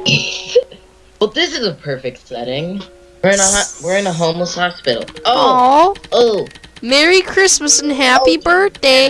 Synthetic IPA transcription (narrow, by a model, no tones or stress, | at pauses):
wɛlˠðɪsɨzəpʰɜ˞fɪk̚tsɛ̰ɾɪ̃ŋ | wɪɹɨ̃nəɦɑwɪɹɨ̃nəɦõʊ̃mləshɑspɪ̰ɾl̩ˠooʊoʊmɛɹikʰɹ̥ɪsmɨsn̩ɦæpibɜ˞deɪ